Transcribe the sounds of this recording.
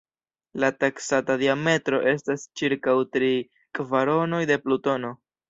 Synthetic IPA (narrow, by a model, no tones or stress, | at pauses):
lataksatadiame̞tɾo̞ʔe̞stast͡ʃiɾkawtɾi | kvaɾo̞no̞jde̞pluto̞no̞